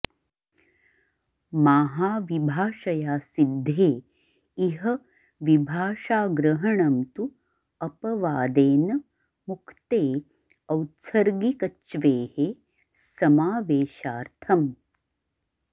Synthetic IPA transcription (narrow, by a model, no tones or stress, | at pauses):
maːɦaːʋibʱaːʂɐjaːsid̪ʱːeː | iɦɐ | ʋibʱaːʂaːɡɾɐɦɐɳɐmt̪u | ɐpɐʋaːd̪eːnɐ | mukʰt̪eː | ɐwtsɐɾɡikɐt͡ʃʋeːhe | sɐmaːʋeːʃaːɾt̪ʰɐm